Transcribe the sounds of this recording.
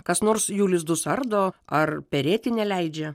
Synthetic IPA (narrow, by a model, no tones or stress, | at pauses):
kɐsnoːrɾsjuːlʲɪsd̪ʊsɐrd̪oːɐrpʲɛɾʲeːt̪ʲɪnʲɛlʲɛɪd͡ʒʲɛ